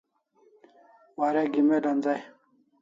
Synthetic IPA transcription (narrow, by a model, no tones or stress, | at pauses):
waɾeɡimeɖɐnd͡zaj